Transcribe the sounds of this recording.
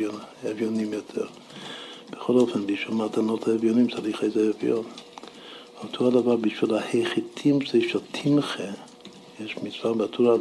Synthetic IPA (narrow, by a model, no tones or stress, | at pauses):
ɛvjɔnimjɔtʰɛ̰ɾ | b̥ə̥χolˠofɛnbiʃvilˠmatʰanotʰhaɛvjɔnimt͡saɾiχezehɛvjo̰n | tʰuadavaɾbiʃvilˠaheχitʰimʃeʃɛltʰimχe | jɛʃmit͡svambatʰuɾa